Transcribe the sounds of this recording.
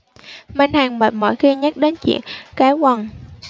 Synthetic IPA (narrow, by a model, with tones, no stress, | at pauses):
ma˧nhaː˨˩ŋmaː˨˩t̚mɔ̰˧˨jxi˧ɲə˦˥t̚ɗe˨˦nt͡ɕḭ˧˨ənkaː˨˦jkwa˨˩ŋ